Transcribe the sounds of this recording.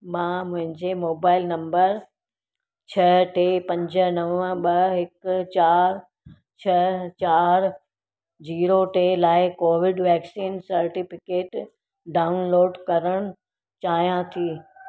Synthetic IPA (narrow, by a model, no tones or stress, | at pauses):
mãːmʊ̃ɦɪ̃ɲd͡ʑemoːbaːɪlnɐ̃mbəɾ | t͡ɕʰɐʈeːpɐ̃ɲd͡ʑə̆nɐʋə̃ɓɐɦɪkt͡ɕaːɾ | t͡ɕʰɐt͡ɕaːɾ | d͡ʑiːɾoʈeːlaːɪkoːʋɪɖʋɛːksiːnsɐɾʈɪfɪkeːʈ | ɖaːʊnloːɖkɐɾəɽ̃ʊ | t͡ɕaːɦijãt̪ʰiː